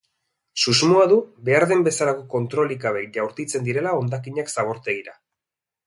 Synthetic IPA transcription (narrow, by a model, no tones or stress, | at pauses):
suzmuaðube̞aɾðe̞mbe̞salako̞ko̞nt̪ɾo̞likaβejʝawɾt̪it͡se̞nd̪iɾe̞lao̞nd̪akiɲaksaβo̞ɾt̪e̞ɣiɾa